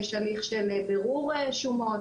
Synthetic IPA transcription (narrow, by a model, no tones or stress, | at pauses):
ʃaliχʃelebeʁuʁeʃumo